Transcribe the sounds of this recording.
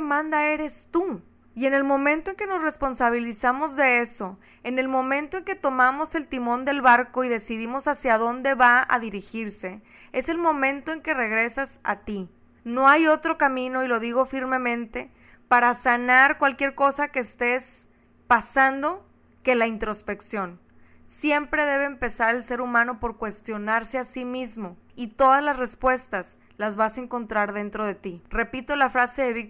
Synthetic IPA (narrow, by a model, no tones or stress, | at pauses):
mãnd̪ae̞ɾe̞st̪u | ie̞ne̞lmõ̞mẽ̞nt̪oe̞ŋke̞no̞sre̞spo̞nsaβ̞ilisamo̞zðe̞e̞so̞ | e̞ne̞lmõ̞mẽ̞nt̪o̞e̞ŋke̞t̪o̞mamo̞se̞lt̪imõ̞nd̪e̞lβaɾko̞iðe̞siðimo̞sasjaðo̞nd̪e̞βaa̰ðiɾixiɾse̞ | e̞se̞lmõ̞mẽ̞nt̪o̞e̞ŋke̞re̞ɣɾe̞sasa̰t̪i | no̞ajo̞t̪ɾo̞kamĩno̞ilo̞ðiɣo̞fiɾmẽ̞mẽ̞nt̪e̞ | paɾasanaɾkwalkje̞ɾko̞sake̞ːst̪e̞s | pasand̪o̞ | ke̞laint̪ɾo̞spe̞ksjo̞n | sje̞mpɾe̞ðe̞β̞e̞ːmpe̞saɾe̞lse̞ɾumãno̞poɾkwe̞st̪jo̞naɾse̞asimizmo̞it̪o̞ðazlasre̞spwe̞st̪as | lazβasaeŋko̞nt̪ɾaɾðe̞nt̪ɾo̞ð̞e̞t̪ire̞pit̪o̞lafɾase̞ðe̞βik